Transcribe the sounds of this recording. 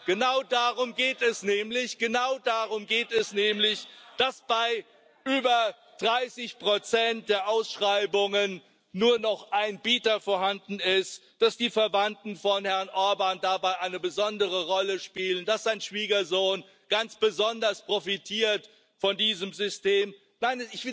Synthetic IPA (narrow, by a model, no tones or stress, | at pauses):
ɡ̥ənaʊdaʁʊmɡeːtɛsnɛːmlɪçɡ̥ənaʊdaʁʊmɡeːtɛsnɛːmlɪçd̥asb̥aɪ | ʔyːbɐ | d̥ʁaɪsɪçpʁ̥ot͡sɛnt̚d̥eːɐʔaʊsʃʁ̥aɪbʊŋənː | uːɐnɔχʔaɪnbiːtɐfoːɐhandn̩ɪst | d̥asd̥iːfɛɐvantn̩fɔnhɛɐnʔɔɐbandabaɪʔaɪnəbəzɔndəʁəʁɔləʃpiːləndasz̥aɪnʃv̥iːɡɐzoːn | ɡ̥ant͡sb̥əzɔndɐspʁ̥ofitʰiːɐt | fɔndiːzəmzʏsteːm | naɪnɪçv̥ɪ